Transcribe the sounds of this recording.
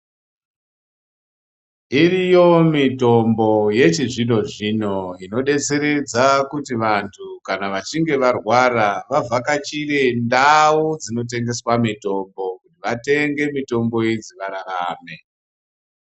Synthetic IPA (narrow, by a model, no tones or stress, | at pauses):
irijo̞mito̞mbo̞je̞t͡ʃiʐino̞ʐino̞ino̞ɗe̞t͡se̞ɾe̞d͡zakutiʋantʰukanaʋat͡ʃiŋɡe̞ʋarwaraʋavʱakat͡ʃiɾe̞ndaud͡zino̞t̬e̞ŋɡe̞swamito̞mbo̞kutiʋate̞ŋɡe̞mito̞mbo̞id͡ziʋaɾaraːme̞